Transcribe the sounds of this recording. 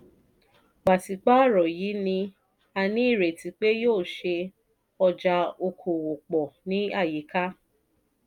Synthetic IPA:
ɡ͡ba˨ti˨k͡pa˦˨ɾɔ˨ji˨˦nĩ˧ | a˧nĩ˨˦i˦˨ɾe˨ti˧˦k͡pe˦joː˦˨ʃe˧ | ɔ˧d͡ʒa˧o˧kʰo˨wo˨k͡pɔ˨nĩ˦a˦˨ji˨˦ka˦

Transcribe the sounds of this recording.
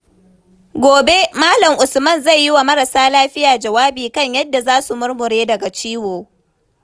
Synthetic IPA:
ɡʷoː˨be˦maː˦lɐ˨ŋʔʊ˨smɐ˦˨nzɐ˦˨jːɪ˦wa˨mɐ˦ɾɐ˨saː˦laː˦ɸɪ˦jaː˨d͡ʒɐ˨waː˦biː˨kɐ˦˨ɲjɐ˦dːa˨zaː˦su˨mʊ˦ɾmʊ˨ɾeː˦dɐ˨ɡa˨t͡ʃiː˦woː˨

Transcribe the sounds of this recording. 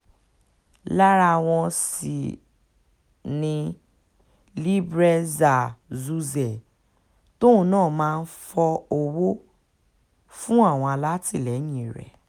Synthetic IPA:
la˦ɾa˧˨w̃ɔ̃˧sḭ˨ | nĩ˧ | li˦bɾɛ˧za˨zu˧zɛ˨ | tõ˦˨˦nãː˦˨mãː˦˧n̩˦fɔ˧o˧wo˦ | fũ˦a˦˨w̃ɔ̃˧a˧la˦ti˦˨lɛ˨˦jĩ˦˨ɾɛ̰˨

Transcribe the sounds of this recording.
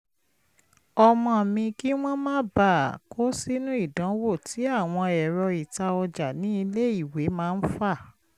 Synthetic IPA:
ɔ˧mɔ̃˧˨mĩ˧ki˦w̃ɔ̃˦mãː˦ba˦˨ko˦si˦nũ˦i˦˨dã˨˦wo˦˨ti˨˦a˦˨w̃ɔ̃˧ɛ˨ɾɔ˧i˨ta˧ɔ˧d͡ʒa˨nĩ˦i˧le˦i˦˨we˨˦mãː˦˧n̩˦fa˦˨

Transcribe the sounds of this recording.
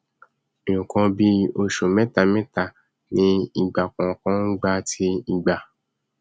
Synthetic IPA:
e˨jũ˨kɔ̃˧bi˦o˧ʃo˨mɛ̃˦ta˧mɛ̃˦ta˨ | nĩ˨˦i˧˨ɡ͡ba˨kɔ̃˨kɔ̃˦n̩˦ɡ͡ba˦tʰi˦i˧ɡ͡ba˨

